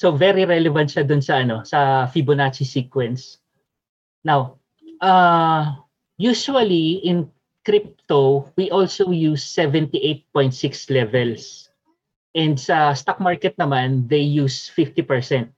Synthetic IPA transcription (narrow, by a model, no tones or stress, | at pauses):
sovɛɾiɾɛlɛvɐ̃nt̪ʃad̪ʊnsɐʔɐno̞sɐfibonat͡ʃisikwɛns | naw | ʔa | juʃuɐliʔɪ̃n | kɾɪp̚t̪owiʔɔlsowjusːɛvɛ̃nt̪iʔejt̪̚pɔ̃j̃nt̪sɪkslɛvɛls | ʔɛnd̪̚sɐst̪ɐk̚maɹkɛt̪̚nɐmand̪ejjuːsfɪft̪ipɛɹsɛnt̪̚